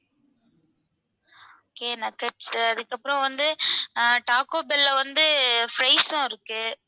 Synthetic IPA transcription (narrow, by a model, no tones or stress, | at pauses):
oːkeːnɐkɐʈsɐðɯkːɐpːɾɔ̃ʋɐnd̪ɯ | ʈaːkoːbɛlːɐʋɐnd̪ɯfɾɐɪsʊ̃ɪɾɯkːɯ